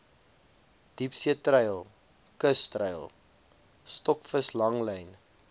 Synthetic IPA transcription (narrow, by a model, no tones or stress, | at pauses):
d̥ipsiətrəjlˠ | kəstrəjlˠ | stɔkfəslɐŋləjn